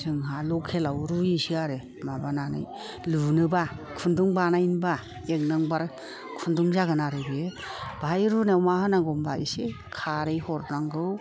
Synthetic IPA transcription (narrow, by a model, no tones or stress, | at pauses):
sɯŋɦalɔkʰːelawɾujisiaɾe | mabananɯ̰j | lunɯbakʰunduŋbanajnba | ek̚nɯŋbaɾ | kʰunduŋzaɡɯnaɾɯbie | bajɾunewmahɯnaŋɡɔmbaḭse | kʰaɾejhɔɾnaŋɡɯw